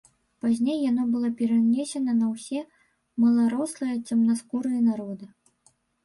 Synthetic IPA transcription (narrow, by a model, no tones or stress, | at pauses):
pazʲnʲejːanɔbɨlˠɔpʲɛɾanʲesʲɛnɐnɐwsʲɛ | mɐlˠaɾɔslˠɐjɐt͡sʲɐmnaskuɾɨjɐnaɾɔd̪ɨ